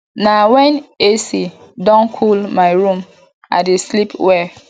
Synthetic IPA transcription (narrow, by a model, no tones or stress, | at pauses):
nawɛ̃nesi | dɔ̃nkʰulmaɪɹũm | a̰deslipwɛ